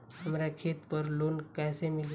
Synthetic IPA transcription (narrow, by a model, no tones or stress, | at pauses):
ɦəmɾakʰet̪pəɾlonkajsemil